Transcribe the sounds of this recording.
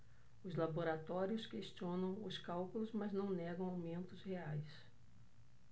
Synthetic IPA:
ʊzlaboɾat̪ɔɾjʊskest͡ʃiõnɐ̃w̃ʊskawkulʊzmaznɐ̃w̃nɛɡɐ̃w̃awmẽnt̪ʊzheajs

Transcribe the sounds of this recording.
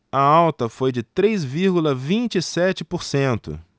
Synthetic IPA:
ɐawt̪ɐfojd͡ʒɪt̪ɾejzviɾɡulɐvĩt͡ʃisɛt͡ʃɪpoɾsẽnt̪ʊ̰

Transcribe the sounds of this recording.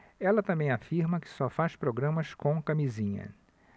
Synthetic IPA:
ɛlɐt̪ɐ̃mbẽj̃afiɾmɐkɪ̥sɔfaspɾoɡɾɐ̃mɐskõw̃kamizĩɲɐ̰

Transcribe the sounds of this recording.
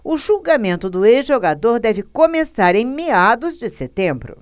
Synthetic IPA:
ʊʒuɡamẽnt̪ʊd̪ʊeʒoɡad̪oɾd̪ɛvɪkomesaɾẽj̃mead̪ʊzd͡ʒɪset̪ẽbɾʊ̰

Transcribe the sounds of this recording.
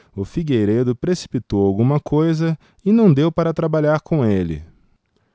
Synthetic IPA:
ʊfiɡejɾed̪ʊpɾesi̥pit̪owawɡũmɐkʰojzɐ | ɪnɐ̃w̃d̪ewpaɾɐt̪ɾabaʎaɾkõelɪ̰

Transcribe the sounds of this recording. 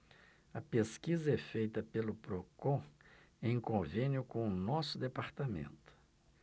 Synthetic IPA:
ɐpeskizɐɛfejt̪ɐpelʊpɾokõ | ẽj̃kõvẽnjʊkõʊnɔsʊd̪epaɾt̪amḛ̃nt̪ʊ̥

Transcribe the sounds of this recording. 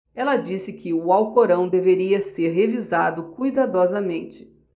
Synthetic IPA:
ɛlɐd͡ʒisɪkɪʊawkoɾɐ̃w̃d̪eveɾiɐseɾɦevizad̪ʊkujd̪ad̪ɔzɐmẽnt͡ʃɪ̥

